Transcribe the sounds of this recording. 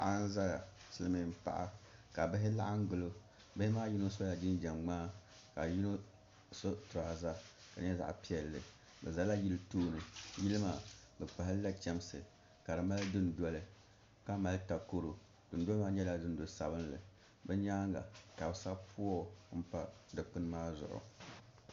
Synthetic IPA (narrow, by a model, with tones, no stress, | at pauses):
ʔa˦n˦za˦ja˨sɨ˦lɨ˦mɨ˨m̩˦pa̰˨ʔa̰˦ka˨bɪ˦ɦɪ˦la˦ʔa˦ŋ̩˦ɡʊ˨lo˦ | bɪ˦hɪ˦maː˦ji˦no˦so˦ja˨d͡ʒɪ˦n˦d͡ʒa˨mɡ͡baː˦ | ka˨ji˦no˦ | so˦tɾa˨ha˨za˦ | ka˨ɲɛ˦za̰˦ʔpi˦ɛ˨lːɨ̰˨ | bɛ̰˨za˨la˦ji˦ltuː˦nɨ˨ji˦lɨ˦maː˨bɛ˨k͡pa˨ɦɪ˦lla˦t͡ʃɛ˦msɨ̰˨ | ka˨ɾɨ˨ma˦ldɨ˦n˨dɔ˦lɨ˨ | ka˦ma˦lɨ˦ta˨ko˦ɾo˨ | d̥ɨ˨n˦dɔ˦lmaː˦ɲɛ˦la˦dɨ˦n˦do˨sa̰˨bɨ˦n˦lɨ̰˨ | bɛ˦ɲa˦ŋɡa̰˨ka˨bsa˦pʰu˦ɔ˦m̩˦pa˦dɨ˨k͡pɨ˦n˦maː˦zʊ̰˨ʔʊ̰˨